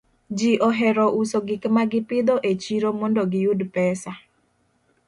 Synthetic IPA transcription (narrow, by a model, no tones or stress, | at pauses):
d͡ʒiʔɔɦɛɾɔʔusoɡɪkmaɡɪpɪd̪ɔʔet͡ʃiɾomɔndɔɡɪjudpɛsa